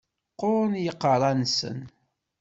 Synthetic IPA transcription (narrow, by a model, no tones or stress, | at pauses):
qːʊɾnjəqːərˤɑnsə̰n